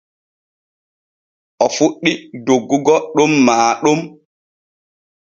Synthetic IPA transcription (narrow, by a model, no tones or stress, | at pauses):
ʔɔfuɗːidoɡːuɡɔɗumːaːɗum